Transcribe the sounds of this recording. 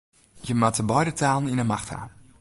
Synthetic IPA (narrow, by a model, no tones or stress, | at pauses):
jəmatəbɔjdətʰaːlˠəninəmaxtʰha̰ː